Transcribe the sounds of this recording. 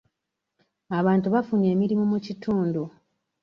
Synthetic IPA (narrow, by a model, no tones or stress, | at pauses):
aβaːntuβafune̞ːmiɾimumucitʰuːndu